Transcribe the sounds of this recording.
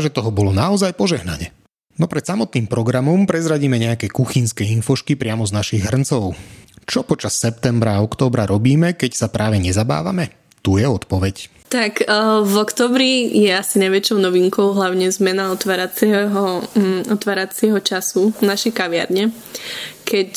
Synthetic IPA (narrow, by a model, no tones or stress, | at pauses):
ʒɛt̪ɔɦɔbɔlɔnaɔzajpɔʒɛɦna̰ɲɛ | nɔpɾɛt̪samɔt̪niːmpɾɔɡɾamɔmpɾɛzɾaɟiːmɛɲɛakɛkuxinskɛinfɔʃkipɾɪamɔznaʃiɣɦr̩nt͡sɔʊt͡ʃɔpɔt͡ʃasːɛp̚t̪ɛmbɾaɔkt̪ɔːbɾaɾɔbiːmɛkɛcsapɾʔaːʋɛɲɛzaba̰ːʋa̰mɛ | t̪ujɛɔt̪pɔʋɛc | t̪akvɔkt̪ɔːbɾijɛasinajʋɛt͡ʃɔʊnɔʋiŋkɔʊɦlaʊɲɛzmɛnaɔt̪ʋaːɾat͡sɛɦɔɔt̪ʋaːɾat͡sɪɛɦɔt͡ʃasunaʃɛjkaʋɪa̰ɾɲɛ | kɛc